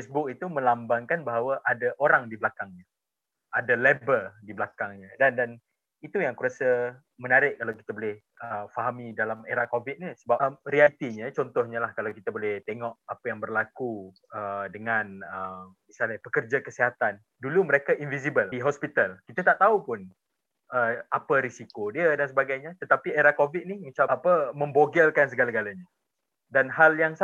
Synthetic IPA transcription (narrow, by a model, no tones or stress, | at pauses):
fesbʊk̚it̪umə̃lambaŋkanbaɦawaʔadaʔoɾaŋdibəlakaŋɲa | ʔadalebəldiblakaŋɲadandan | it̪ujaŋkuɾasa | mənaɾɪʔkalawki̥t̪abolɛh | əfaɦamidalameɾaʔkovit̪̚nisəbamɾialit̪iɲat͡ʃɔnt̪ɔhɲalahkalawkit̪abolɛht̪eŋɔʔapajaŋbərlaku | ədəŋãnəmisalɲapəkərd͡ʒakəsiɦat̪an | duluməɾekainvisibəliɦɔspit̪alkit̪at̪aʔt̪aupʊn | ʔəapəɾisikodiədans̬əbaɡajɲat̪ət̪apieɾakovit̪̚nihmit͡ʃapəmə̃mboɡəlkans̬əɡalaɡalaɲa | danɦaljaŋs